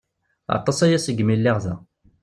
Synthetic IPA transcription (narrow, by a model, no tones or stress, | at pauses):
ɑ̰t̪ˤɑsæjæsəɡmilːiʁðæ